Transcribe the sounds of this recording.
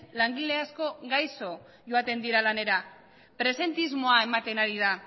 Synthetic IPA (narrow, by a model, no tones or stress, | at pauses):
laŋɡile̞asko̞ɡajso̞ | ʝo̞at̪e̞nd̪iɾalane̞ɾa | pɾe̞se̞nt̪izmo̞ae̞mat̪e̞naɾið̞a